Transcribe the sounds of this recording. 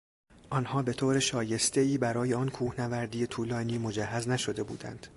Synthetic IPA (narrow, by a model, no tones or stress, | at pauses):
ʔɒːnhɒːbe̞t̪ʰoːɾeʃɒːje̞st̪eiːbæɾɒːjeɒnkʰuːhnævæɾd̪iːjet̪ʰuːlɒːniːmo̞d͡ʒæɦːæznæʃo̞d̪e̞bṵːd̪æ̰nd̪̥